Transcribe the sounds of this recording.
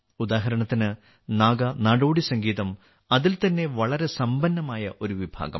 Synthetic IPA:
ud̪aːɦɐɾɐɳɐt̪ːinɨ | naːɡɐnaːɽoːɽisɐŋɡiːðɐm | ɐðilt̪ɐnːe̞ʋɐɭɐɾe̞sɐmbɐnːɐmaːjɐʔo̞ɾuʋibʱa̰ːɡɐ̰m

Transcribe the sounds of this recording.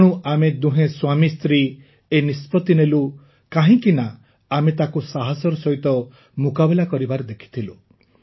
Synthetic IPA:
ɽ̃uʔamed̪uɦẽswamist̪ɾi | enispɔt̪inelu | kaɦĩkina | amet̪akusaɦɔsɔɾɔsɔɦit̪ɔ | mukabilakɔɾibaɾed̪ekʰi̥t̪ʰilu

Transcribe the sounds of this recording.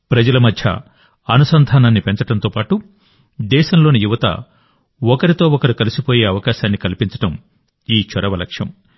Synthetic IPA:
pɾɐd͡ʒɐlɐmɐd̪ʱjɐ̰ | ɐnusɐnd̪ʱaːnaːnːipeɲt͡ʃɐʈɐnt̪oːpaːʈu | d̪ɛːʃɐmlo̞ːnijuʋɐt̪ɐ̰ | ɔkɐɾit̪o̞ːɔkɐɾukɐlisipoːjeːɐʋɐkaːʃaːnːikɐlipiɲt͡ʃɐ̥ʈɐm | iːt͡ʃɔɾɐʋɐlɐ̰kʂjɐ̰m

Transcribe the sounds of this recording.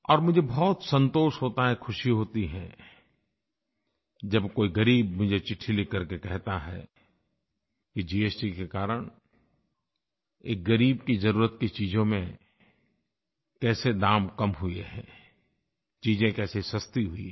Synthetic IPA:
ɔːɾmʊd͡ʒʱebɔːt̪sɐ̃nt̪oːʃɦoːt̪aɦɛkʰʊʃiɦoːt̪iɦɛ̃ | d͡ʒɐbkoːiɡɐɾiːbmʊd͡ʒʱet͡ʃɪʈʰːilikɐɾkekɛɦt̪aɦɛ̰ | kid͡ʒiːeːsʈikekaːɾəɽ̃ | eːk̚ɡɐɾiːbkizɐɾuːɾət̪̚kit͡ʃiːd͡ʒõmẽ | kɛːsed̪aːmkɐmɦʊeɦɛ̰̃ | t͡ʃiːzẽkɛːsesɐst̪iɦʊḭ

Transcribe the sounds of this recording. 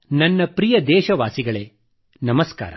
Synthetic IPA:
nɐnːɐpɾijɐd̪ɛːʃɐʋaːsiɡɐɭeː | nɐmɐska̰ːɾɐ̰

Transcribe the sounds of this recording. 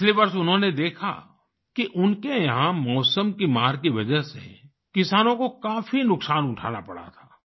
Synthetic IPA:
pɪt͡ʃliʋɐɾsʊnɦõned̪eːkʰa̰ | kiʔʊnkejɐɦãmɔːsəmkimaːɾkiʋɐd͡ʒəɦsḛ | kɪsaːnõkokaːfinʊksaːnʊʈʰa̰ːna̰pɐɽa̰t̪ʰaː

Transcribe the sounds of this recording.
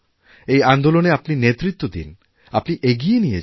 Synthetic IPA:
ejand̪oloneapninet̪ːɾit̪ːod̪ḭn | apniʔeɡijenije

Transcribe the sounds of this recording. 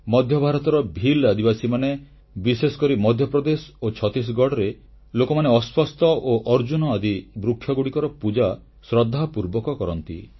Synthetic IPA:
mɔd̪ʱjɔbʱaɾɔt̪ɔɾɔbʱilad̪ibasimane | bisesɔ̥kɔɾimɔd̪ʱjɔpɾɔd̪esot͡ʃʰɔt̪is̬ɡɔɽɔɾe | lokɔmaneɔspʰɔst̪ɔʔoʔɔɾd͡ʒunɔad̪ibɾukʰːjɔɡuɽikɔɾɔpud͡ʒa | sɾɔd̪ʱːapuɾbɔkɔkɔɾɔnt̪ḭ

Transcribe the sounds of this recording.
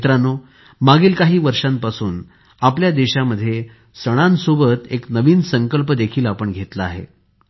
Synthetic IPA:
t̪ɾano | maɡiːlkaɦiːʋəɾʂãmpasuːn | apljad̪eɕaməd̪ʱːje | səɽ̃ansobət̪eknəʋiːnsəŋkəlpəd̪ekʰiːlapəɳɡʱet̪la̰ːɦḛ

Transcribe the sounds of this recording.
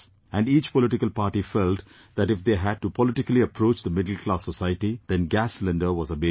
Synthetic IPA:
æ̃ɳɖiːt͡ʃpɔlɪʈɪkəlpaːɾʈifɛlʈ | d̪æʈɪfd̪eːɦæɖ̚ʈupɔlɪʈɪkəliɐpɾoːt͡ʃd̪əmɪɖəl̩klaːsːɔsaɪəʈid̪̥ɛ̃nɡæslə̃nɳɖəɾʋɔzəbe

